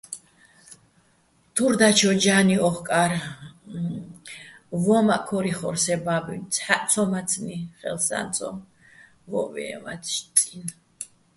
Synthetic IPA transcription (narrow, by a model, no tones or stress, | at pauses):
t̪ʰuɾd̪at͡ʃʰɔd͡ʒaniɔχkʼaɾ | vɔmakʰɔɾiχɔɾsɛbabinsʰħaʔt̪sʰɔmat̪sʰniχɛ̰lsa̰nt̪sʼɔ̰m | vɔ̰vɛ̰ɛ̰ma̰ʃt̪ʼin